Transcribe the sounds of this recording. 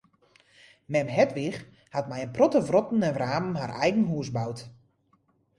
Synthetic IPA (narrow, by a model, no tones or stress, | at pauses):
mɛmɦɛtʋix | hatmɛjənprɔtəvrɔtn̩ɛnraːməm̩ɦarɛjɡən̩ɦuəsbawt